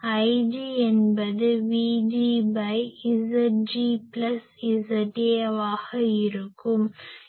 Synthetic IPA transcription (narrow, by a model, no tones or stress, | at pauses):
ɐɪɖiɛnbɐðɯʋiːɖiːbɐɪɪsɐd͡ʒiplɐs | ɪsɐʈiɐʋaːɣɐɪɾɯkːɯm